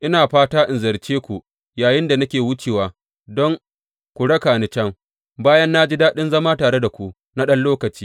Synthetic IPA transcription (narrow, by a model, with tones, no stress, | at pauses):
ʔɪ˦naː˨ɸaː˦taː˦ʔɪ˨nzɐ˨ɾt͡ʃeː˦kʷu˨ | jaː˨jɪ˦nda˨nɐ˦kʲeː˨wʊ˦t͡ʃeː˨waː˨ | dɔ˦ŋ | kʷu˨ɽɐ˦kaː˨nɪ˨t͡ʃɐ˦ŋ | baː˦jɐ˦nːa˦d͡ʒi˦daː˦ɗɪ˦nzɐ˦maː˦taː˨ɽe˦da˨kʷu˨ | na˦ɗɐ˦nloː˦kɐ˨t͡ʃiː˦